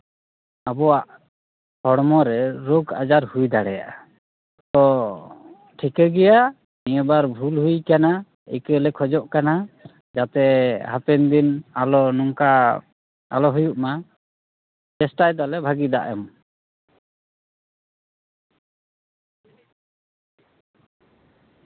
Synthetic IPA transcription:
abɔwaʔ | hɔɽmɔɾɛɾuɡa̰d͡ʒaɾhujd̪aɽɛja̰ʔa | t̪ɔ | ʈʰikɛɡɛja | nijɛbaɾbʱulɦujkana | ḭkəlɛkʰɔd͡ʒɔʔkana | d͡ʒat̪ɛhapɛnd̪inalɔnɔŋka | a̰lɔɦujuʔma | d͡ʒɛsʈajd̪alɛbʱaɡid̪a̰ʔɛm

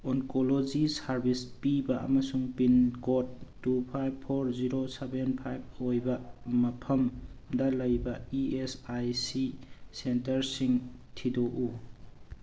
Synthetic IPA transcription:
oŋkolod͡ʒisaɾbispibɐɐ̰mɐsuŋpinkotː | upʰajb̚pʰːoɾziɾosebenpʰajb̚ojbɐmɐpʰɐmdɐlɐjbɐiesajsisentɐɾsiŋtʰidoʔu

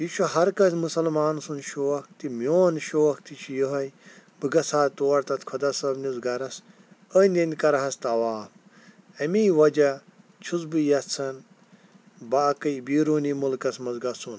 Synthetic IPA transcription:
jiʃʰuhɐɾkɐsmusɐlmaːnsunʃoːɐkt̪imjoːnʃoːɐkt̪it͡ʃʰijuɦɐjbɨɡɐsʰaːt̪oːɐɾt̪ɐt̪kʰɐd̪ɐsɐbnuzɡɐɾɐs | ənʲd̪enʲd̪ʲkɐɾɐɦɐst̪ɐʋaːm | ɐmiːʋɐd͡ʒɐ | t͡ʃʰuzbɨjɐt̪t͡sʰɐn | baːkɐjbiːɾoːnimulkɐsmɐzɡɐsun

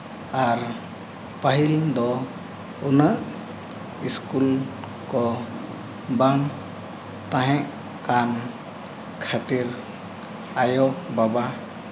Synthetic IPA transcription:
aɾ | pəɦild̪ɔ | unəʔ | iskul | kɔ | baŋ | t̪aɦɛ̃ʔ | kan | kʰat̪iɾ | ajɔbaba

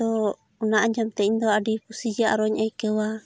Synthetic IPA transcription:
ɔ | unaaɲd͡ʒamt̪ɛind̪ɔadipusid͡ʒaʔɾɔɲaikəwa

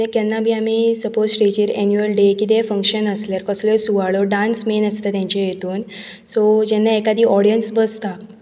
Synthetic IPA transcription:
ekɛnːabʱiːamisəposʈed͡ʑiɾɛnjuəlɖekiːt̪efə̃ŋkɕənəslaɾkəslɔsuʋaɭoɖãnsmenəst̪at̪jãɲt͡ɕejet̪uːn | sɔd͡ʑɛnːaekad̪iːʔɔɽijənsbəst̪a

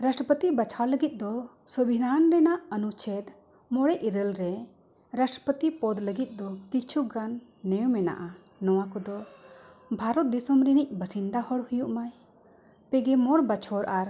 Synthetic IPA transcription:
ɾasʈəpət̪ibat͡ʃʰawləɡit̪̚d̪ɔsəbʱid̪ʱanɾɛnaʔənut͡ʃʰɛd̪ | mɔɽɛʔiɾəlɾɛ | ɾasʈə̥pət̪ipɔd̪ləɡit̪̚ˀd̪ɔkikt͡ʃʰuɡanːɛwmɛna̰ʔa | nɔwakɔd̪ɔ | bʱaɾɔt̪̚d̪isɔmɾinic̚bəsind̪ahɔɽhujuʔmaj | pɛɡɛmɔɽbat͡ʃʰɔɾʔaɾ

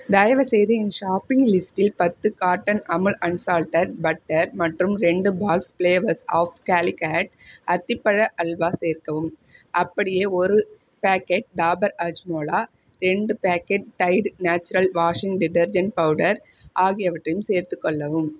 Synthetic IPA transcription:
d̪ɐjɐʋɐsɛjðɐɪnʃaːpːɪŋɡlɪsʈɪlpɐt̪ːɯkaːʈːɐnɐmɯɭʔɐɳsaːlʈɐɾbɐʈːɐɾmɐʈrɯmɾɛɳɖɯbaːkspleːʋɐsaːfkaːlɪkaːʈɐt̪ːɪpːɐɻɐʔɐlʋaːseːɾkɐʋɯm | ʔɐpːɐɽɪjeːɔɾɯ | paːkeːʈ̚ɖaːbɐɾɐd͡ʒmoːlaː | ɾɛɳɖɯpaːkeːʈ̚ʈːɐɪɖnaːt͡ʃːʊɾɐlʋaːʂɪŋɡɖɪʈɐɾd͡ʒɐɳʈ̚pɐʋɯɽɐɾ | ʔaːɣɪjɐʋɐʈrɐjɯmseːɾt̪ɯkːɔɭːɐʋɯm

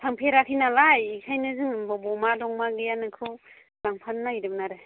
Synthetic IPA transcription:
pʰaŋpʰeɾakʰinalajikʰajnɯzɯŋbɔbɔmadɔŋmaɡɯjanɯkʰɯw | laŋpʰanːajɾɯbnaɾɯ

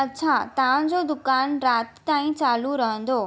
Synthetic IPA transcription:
ɐtːɕʰat̪ːd͡ʑod̪ʊkaːnɾaːt̪t̪aːĩt͡ɕaːluɾɐɦə̃nd̪oː

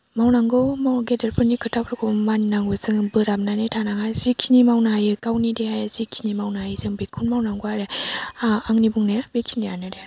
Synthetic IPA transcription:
mawnaŋɡɔmaɡedeɾpʰɯnikʰɯtʰapɾɯkʰɔmanːaŋbɯzɯŋbɯɾamnanetʰanaŋazikʰinimawnaajɯkawnidehajzikʰinimawnajzɯŋbekʰunmawnaŋɡoaɾe | aŋnibuŋnebekʰinianɯde

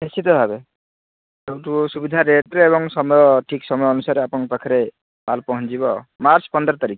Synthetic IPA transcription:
ɦesit̪ɔbʱabe | ewʈusubid̪ʱaɾeʈɾeːβɔŋsɔmɔjɔʈʰiksɔmɔjɔɔnusaɾeapɔnpakʰaɾe | malpɔɦɔ̃ɲt͡ʃibɔmaɾt͡ʃpɔnd̪ɾɔt̪aɾik

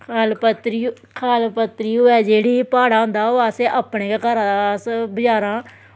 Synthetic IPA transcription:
kʰalpət̪ɾi | kʰaːlpət̪ɾiːoːɛːd͡ʒeːɽiːpaːɽaːʊ̃nd̪aːoːaːseːʔapneːkakəɾãsbəd͡ʒaːɾãː

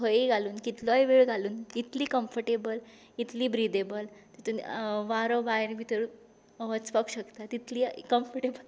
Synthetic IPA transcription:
ɦəiɡʱaluːnkit̪lɔjʋeɭɡʱaluːnit̪liːkəmfəɾʈebəl | it̪liːbɾid̪ebəlt̪ət̪unʋaɾobaeɾbʱit̪əɾ | ʋət͡spakuɕəkt̪at̪it̪liːkəmfəʈebəl

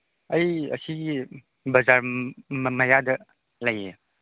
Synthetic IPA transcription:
ɐjɐ̰siɡi | bɐzaɾmmɐjadɐ | lɐje

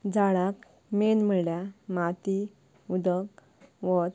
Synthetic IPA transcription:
d͡zaɭak | menm̤əljamat̪i | ud̪ək | ʋɔt̪

